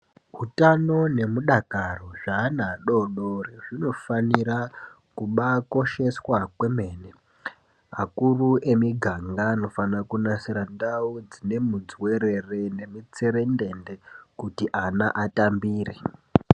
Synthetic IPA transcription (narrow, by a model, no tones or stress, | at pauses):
ɦutano̞ne̞muɗakaro̞ʐaːnaɗo̞ɗoreʐino̞fanira | kuɓako̞ʃe̞swakwe̞me̞ːne | akuruʔe̞miɡʱaŋɡano̞fanakunasiɾandaud͡zine̞mud͡zwe̞ɾerene̞mit͡seɾe̞nde̞ndekutiʔanaʔatambiːrḛ